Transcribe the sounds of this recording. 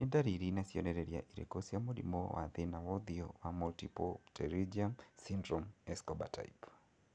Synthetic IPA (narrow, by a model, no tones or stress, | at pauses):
nidaɾiɾinasiɔnɛɾɛɾia̰ʔiɾɛ̰kɔsijamoɗḭmɔ̰wʔa̰ðenawɔðiɔwamɔltipɔtʰɛɾid͡ʒiamsindɾɔmɛskɔba̰tʰa̰jip